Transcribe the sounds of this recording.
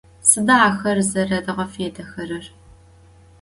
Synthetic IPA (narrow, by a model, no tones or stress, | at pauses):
sɨdaaːxɐrzɐrɐdɐʁɐfeːdɐxɐrɐr